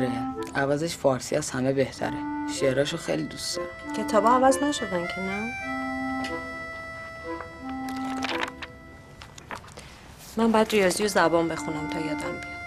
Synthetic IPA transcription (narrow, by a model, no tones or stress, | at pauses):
ɾeævæzeʃfɒːɾsḭæz̥hæmebeht̪ʰæ̰ɾeʃeɾɒːʃoxḛjlid̪ust̪ɒ | cʰet̪ʰɒːbɒævæznæʃod̪æncʰemæn | mæmbɒjæd̪ɾijɒːzijozæbɒːnbe̞xunæmt̪ʰɒːjɒd̪æmbe